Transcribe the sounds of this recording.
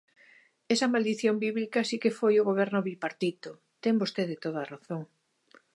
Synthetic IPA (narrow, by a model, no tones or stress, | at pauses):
ɛsɐmald̪iθjombiβlikɐsikefojʊɣoβ̞ɛɾnʊβipaɾt̪it̪o | t̪ɛŋbost̪eðɪt̪oð̞ɐːraθoŋ